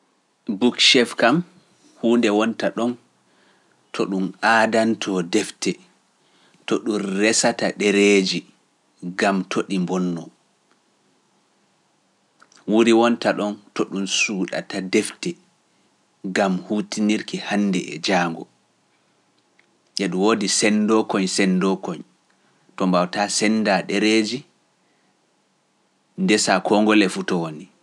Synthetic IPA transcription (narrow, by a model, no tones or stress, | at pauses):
bukʃɛfkam | huːndɛwɔntaɗɔn | tʰɔɗumaːdantʰɔdɛftɛ | tɔɗunrɛsataɗɛɾed͡ʒi | ɡamtʰoɗimbɔnːɔ | wuɾiwɔntaɗɔntɔɗunsuːɗa̰tadɛftɛ | ɡamhutiniɾkihanːdɛʔɛ̰d͡ʒaːŋɡɔ | ʔɛɗumwodisɛndɔkɔɲsɛndɔkɔɲ | tɔmbawtasɛnːdaɗɛɾed͡ʒi | ndɛsakʰɔŋɡɔlɛfutɔwoni